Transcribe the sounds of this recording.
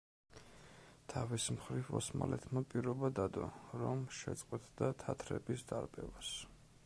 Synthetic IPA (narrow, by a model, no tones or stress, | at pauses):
t̪ʰavismχɾivɔsmalɛt̪ʰmapʼiɾɔbad̪ad̪ɔɾɔmʃɛt̪sʼqʼwɛt̪ʼd̪at̪ʰat̪ʰɾɛbisd̪aɾbʼɛvas